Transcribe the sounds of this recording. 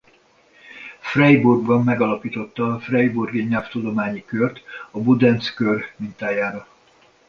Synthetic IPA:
frɛjburɡbɒmːɛɡɒlɒpiːt̪o̞t̪ːɒfrɛjburɡiɲɛlft̪ud̪o̞maːɲikørt̪ɒbud̪ɛnt̪skørmint̪aːjaːɾɒ

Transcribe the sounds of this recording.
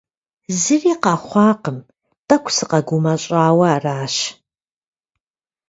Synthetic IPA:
zɨriːqɑːχʷɑːqəm | tʼɐkʷʰsɨqɐɡʷumɐɕʼaːwɐːraːʃ

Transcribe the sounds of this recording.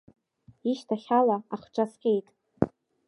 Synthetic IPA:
iʃtʰaχʲalaaχʈ͡ʂʷʼasqʲʼe̞jtʼ

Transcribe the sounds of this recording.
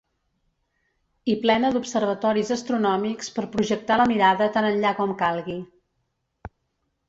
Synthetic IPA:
iplɛnəd̪upsərβ̞ət̪ɔɾizəst̪ɾunɔmikspəɾpɾuʒək̚t̪aləmiɾaðət̪anənʎakɔmkalˠɣi

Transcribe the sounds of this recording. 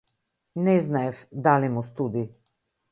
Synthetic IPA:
nɛznafd̪aːlimust̪uːd̪i

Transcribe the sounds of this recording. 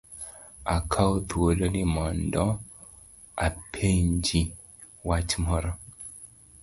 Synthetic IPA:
akʰaot̪wolonimɔndɔ | apʰeɲd͡ʒi | wat͡ʃmɔɾɔ

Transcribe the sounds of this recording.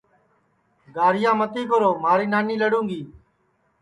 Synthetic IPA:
ɡaːɾɪjãːmət̪iːkoɾoːmaːɾiːnaːniːləɽũːŋɡiː

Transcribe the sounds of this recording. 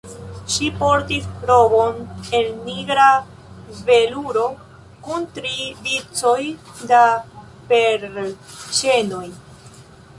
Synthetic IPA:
ʃipo̞ɾtisɾo̞bo̞ne̞lniɡɾa | veluɾo̞ | kuntɾivit͡so̞j | da | pe̞ɾt͡ʃe̞no̞j

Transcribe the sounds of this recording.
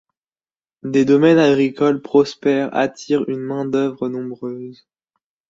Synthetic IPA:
d̪ed̪ɔmɛnaɡʁikɔlpχɔspɛʁa̰t̪ʰiʁynmɛ̃d̪œvʁənɔ̃bʁøz

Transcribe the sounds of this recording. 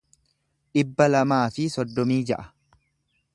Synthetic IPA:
ʔɪbːɐlɐmaːfɪsɔd̪ːɔmiːd͡ʒɐʔɐ

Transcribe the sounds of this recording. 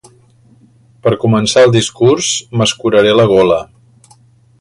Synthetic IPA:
pəɾkumənsaəlˠd̪iskursməskuɾəɾeləɣ̞ɔlə

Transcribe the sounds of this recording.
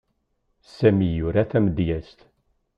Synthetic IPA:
sæmijʊɾaθæməd̪jæst̪

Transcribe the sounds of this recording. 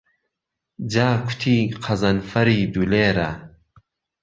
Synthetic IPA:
d͡ʑaːkʰu̥t̪ʰiːqʰɐzɐnfɐɾiːd̪uleːɾa̰

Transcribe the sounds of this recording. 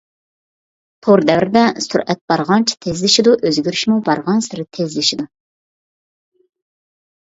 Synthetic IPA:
p̪ʰoɾd̪ɛvɾɪd̪ɛsṵɾʔɛt̪̚b̥ɑɾʁɑnt͡ʃʰi̥t̪ʰezlɪʃid̪uʔøzɡʲyɾyʃmubɑɾʁɑnsɪɾɪt̪ʰezlɪʃid̪u

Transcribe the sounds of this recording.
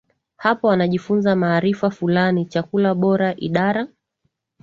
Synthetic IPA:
hapɔwanaʄifunzamaːɾifafulanit͡ʃakulaɓɔɾaʔiɗaɾa

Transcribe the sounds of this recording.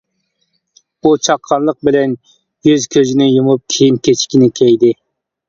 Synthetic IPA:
but͡ʃʰɑqʰːɑnlˠəq̚bɪlɛn | jyzkʲʰøzɪnɪjumup̚kʲʰejinkʲʰet͡ʃʰkʲinɪkʲʰɛjd̪ɪ

